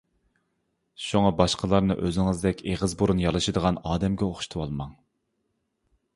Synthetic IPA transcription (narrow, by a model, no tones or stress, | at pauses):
ʃuŋɑbɑʃqʰəlˠɑɾnɨʔøzɪŋɨzd̪ɛkʲeʁəzbuɾunjɑlˠɨʃɨd̪əʁɑnɑːd̪ɛmɡʲɛoχʃt̪ʰuwɑlˠmɑŋ